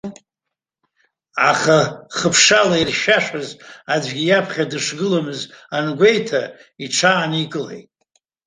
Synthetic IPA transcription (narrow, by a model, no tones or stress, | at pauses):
aχaχəpʰʂalairʃaʂazad͡ʒʷɡʲijapʰχʲadɨʂɡɨlamɨzanɡʷe̞jtʰa | iʈ͡ʂʰaːnikʼɨlḛjtʼ